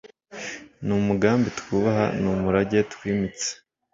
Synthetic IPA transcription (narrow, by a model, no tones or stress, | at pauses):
numuɡaːmbitu̥kuβaɦa̰numuɾaɟe̞tu̥kwiːmit͡se̥